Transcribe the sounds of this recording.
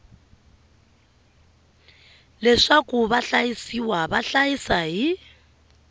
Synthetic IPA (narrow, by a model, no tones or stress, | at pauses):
lɛʂakʼuβaɬajisiwaβaɬajisaɦi